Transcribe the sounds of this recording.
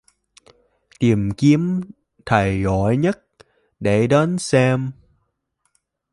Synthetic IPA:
t̪i˨˩mki˨˦əm | t̪ʰə˨˩jɣɔ˧˩˨jɲə˦˥t̚ | ɗe˧˩ɗe˨˦nsɛ˧m

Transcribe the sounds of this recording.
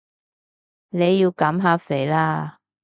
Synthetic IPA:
ne˨˧jːiː˧wkɐ˨˥mɦaː˨˧fe˨˩jlaː˧˥

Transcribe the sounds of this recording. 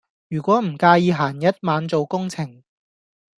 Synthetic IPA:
jyː˨˩kʷɔː˨˥m̩˨˩kaː˧jiː˨˧ɦaː˨˩njɐ˥t̚maː˨˧nt͡so˨wkʊ˥ŋt͡sʰɪ˨˩ŋ

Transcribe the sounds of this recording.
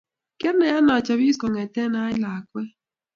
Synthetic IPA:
kɛ˦ɾnɛ˨ja˦nɔ˨t͡ʃa˨bi˦skɔ˨ŋɛ˨tɛ˦na˦ɪ˦la˨kwɛ˦

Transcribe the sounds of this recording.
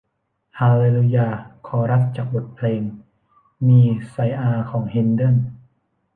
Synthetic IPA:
haː˧le˧lu˧jaː˧˩kʰɔː˩˦ɾa˦˥t̪̚t͡ɕaː˨˩k̚bo˨˩t̪̚pʰleː˧ŋ | miː˧sa˧jʔaː˧kʰɔː˩˦ŋhe˧ndɤ˦˥˨n

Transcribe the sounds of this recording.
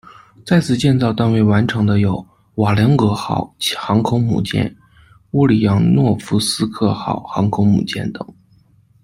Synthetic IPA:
t͡sa˥˩ɪt͡sʰɹ̩˨˩t͡ɕjɛ˥˧nt͡sɑ˥˧ʊt̪a˥˧nwe˥˩ɪwa˧˥nʈ͡ʂʰɤ˧˥ŋd̪ə˧jo˨˩ʊ | wa˨˩ljɑ˧˥ŋkɤ˧˥xɑ˨˩˦ʊxɑ˧˥ŋkʰʊ˧˥ŋmṵ˨˩t͡ɕjɛ̰˥˩n | u˥˩li˨˩jɑ˧˥ŋnwɔ˥˩fu˧˥sɹ̩˥kʰɤ˥˩xɑ̰˨˩ʊxɑ˧˥ŋkʰʊ˧˥ŋmṵ˨˩t͡ɕjɛ̰˥˩nt̪ɤ̰˨˩˦ŋ

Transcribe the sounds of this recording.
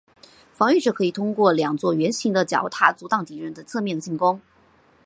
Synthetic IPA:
fɑ˧˥ŋy˥˧ʈ͡ʂɤ˥˩kʰɤ˧˥i˨˩t̪ʰʊ˥ŋkwɔ˥˩ljɑ˨˩ŋt͡swɔ˥˩ɥɛ˧˥nɕi˧˥ŋd̪ə˧t͡ɕjɑ̰˨˩ʊt̪ʰa˥˩t͡su˧˥t̪ɑ˥˩ŋt̪i˧˥ɻə˧˥nd̪ə˧t͡sʰɤ˥˧mjɛ˥˧nt͡ɕi˥˩ŋkʊ˥ŋ

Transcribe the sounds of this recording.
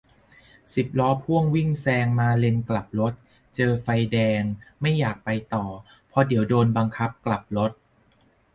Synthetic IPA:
si˨˩p̚lɔː˦˥pʰu˥˩əŋwi˥˩ŋsɛː˧ŋmaː˧le˧nkla˨˩p̚lo˦˥t̪̚ | t͡ɕɤː˧fa˧jdɛː˧ŋma˥˩jːaː˨˩k̚pa˧jt̪ɔː˨˩ | pʰɔ˧di˨˩˦wdoː˧nba˧ŋkʰa˦˥p̚kla˨˩p̚lo˦˥t̪̚

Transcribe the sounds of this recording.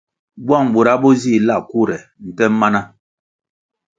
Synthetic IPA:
bwa˦˨ŋ˨ɓu˨ɾa˨˦bɔ˦zi˦˨la˦˨ku˦˨ɾɛ˨n̩˨tɛ˦m˦ma˦na˦

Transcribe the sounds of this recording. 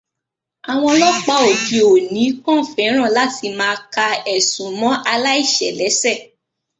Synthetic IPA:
a˨w̃ɔ̃˧lɔ˦k͡pa˧˦o˨ki˨˧o˨nĩ˨˦kɔ̃˦˨fɛ̃˨˦ɾ̃ã˦˨la˦ti˧mãː˦˧ka˧ɛ˨sũ˨mɔ̃˦ʔa˧la˦i˦˨ʃɛ˨lɛ˨˦sɛ˦˨

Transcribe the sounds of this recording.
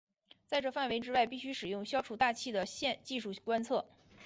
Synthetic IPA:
t͡sa˥˧ɪʈ͡ʂɤ˥˩fa˥˩nwe˧˥ɪʈ͡ʂɻ̩˥wa˥˩ɪpi˥˩ɕy˥ʂɻ̩˨˩jʊ˥˩ŋɕjɑ˥ʊʈ͡ʂʰu˥˩t̪a˥˧t͡ɕʰi˥˩d̪ə˩ɕjɛ˥˧nt͡ɕi˥˧ʂu˥˩kwa˥nt͡sʰɤ˥˩

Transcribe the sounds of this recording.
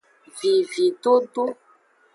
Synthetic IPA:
vi˦vi˦ɖo˨ɖo˦

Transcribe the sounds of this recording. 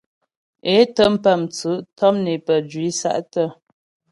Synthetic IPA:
e˨˦tə˦m̩˦pə˦˨mt͡sə˨˦ʔtɔ˦mne˨pə˨d͡ʒɥi˨˦sa̰˦ʔtə˦˨

